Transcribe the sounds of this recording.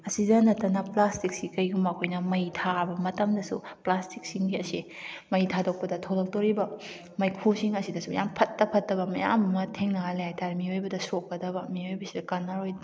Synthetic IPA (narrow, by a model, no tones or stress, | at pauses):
ɐsidɐnɐtɐnɐplastik̚sikɐjɡumɐːkʰojnɐmɐjtʰabɐmɐtɐmdɐsuplastik̚siŋɡiɐsi | mɐjtʰadok̚pɐdɐtʰolɐk̚toɾibɐ | mɐjkʰusiŋɐsidɐsumɐja̰mpʰɐtːɐpʰɐtːɐbɐmɐja̰mmɐtʰeŋnɐɡalɐjajtʰaɾimiojbɐdɐsokːɐdɐbɐmiojbɐsidɐkɐnːaɾoj